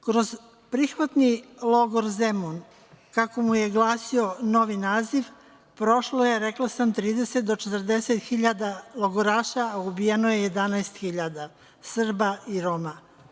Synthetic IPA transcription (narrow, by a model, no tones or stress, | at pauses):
kɾo̞z | pɾixʋat̪nilˠo̞ɡoɾzemon | kako̞muje̞ɡlˠaːsio̞no̞ʋinaːziʋ | pɾo̞ʃlo̞je̞ɾeklˠasamt̪ɾiːd̪e̞set̪̚d̪o̞t͡ʃet̪r̩d̪e̞set̪xiʎad̪alˠo̞ɡoɾaːʃaːubijenoje̞je̞d̪anaest̪xiʎad̪a | sr̩baiɾo̞ma